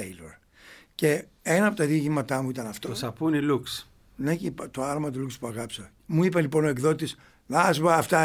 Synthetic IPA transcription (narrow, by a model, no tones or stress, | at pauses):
elo̰ɾ | ce̞ | enɐɐpot̪ɐðiocimɐt̪ɐmuit̪ɐnɐft̪osɐpuniluks | necipt̪oɐɾmɐt̪̬ulukspuɐɣɐpsɐ | muipelipo̞noekðo̞t̪is | nɐzvɐːft̪ɐ